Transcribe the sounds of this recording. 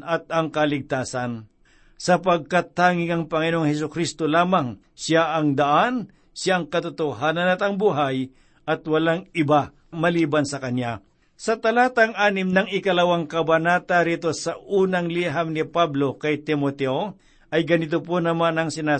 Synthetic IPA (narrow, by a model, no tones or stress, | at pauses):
ɐt̪̚ɐŋkɐlɪɡ̚t̪aːsɐn | sɐp̬ɐɡ̚kat̪ːaːŋɪŋɐŋpɐŋɪnoŋhɛs̬ʊkɾist̪olaːmɐŋ | sɪaʔɐŋd̪ɐʔan | sjaʔɐŋkɐt̪ʊt̪oɦaːnɐnɐt̪ɐŋbuɦaj | ʔɐt̪wɐlaŋɪba | mɐliːbɐnsɐkɐnja | sɐt̪ɐlaːt̪ɐŋaːnɪmnɐŋɪkɐlɐwaŋkɐbɐnaːt̪aɾiːt̪osɐʔuːnɐŋliɦamnɪpablo̞kɐjt̪ɪmot̪ɛʔo | ʔɐjɡɐnɪt̪̬op̬onɐmanɐŋsɪnaː